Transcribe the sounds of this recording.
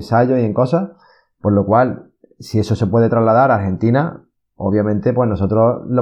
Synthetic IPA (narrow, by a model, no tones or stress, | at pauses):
nsaʝoie̞ŋko̞sa | po̞ɾlo̞kwal | sie̞sose̞pwe̞ð̞e̞t̪ɾazlað̞aɾalxe̞nt̪ina | o̞βjamẽ̞nt̪e̞pweno̞so̞t̪ɾolo